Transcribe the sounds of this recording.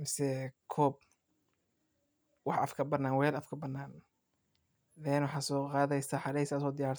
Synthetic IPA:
mɪsɛkʰɔːb̚ | wɑħʔɐfkʰɐbɐnaːnwɛlɐfkʰɐbɐnːaːn | ðɛːnwʊħɑːsɔːqɑːðɛjsaħɑɾɛjsɐsɔːd̪ɪjaːɾ

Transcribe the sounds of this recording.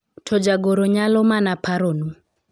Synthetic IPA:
tʰɔd͡ʒaɡoɾoɲalɔmanapʰaɾonu

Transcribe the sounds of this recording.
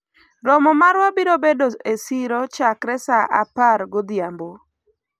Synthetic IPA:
ɾɔmɔmaɾwabiɾobedoesiɾɔt͡ʃakɾɛsaʔa̰paɾɡod̪jambo

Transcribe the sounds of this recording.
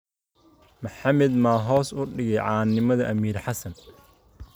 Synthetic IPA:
mɐħɑmɛd̪maːɦɔːsʊɖɪɣɛjʕɑːnːɪmɐðɐʔɐmiːrħɑsɐn

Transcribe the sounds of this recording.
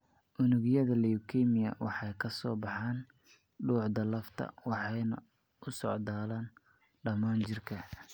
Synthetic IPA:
ʔʊnɪɣjɐðɐlɛʊkʰɛmɪjɐ̰wɑħɑjkʰɐsɔːbɑħɑːn | ɖuːħd̪ɐlɐft̪ʰɐ̰wɑħɑjnɐ̰ | ʊsɔ̰ʕd̪aːlaːn | ɖɐmaːnt͡ʃɪrkʰɐ

